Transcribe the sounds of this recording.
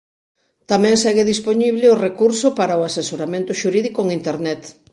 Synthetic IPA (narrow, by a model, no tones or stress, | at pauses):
t̪amɛ̃ŋsɛɣeðispoɲiβlɪorekuɾsopaɾaoasesoɾamẽnt̪ʊʃuɾiðikoŋint̪eɾnɛt̪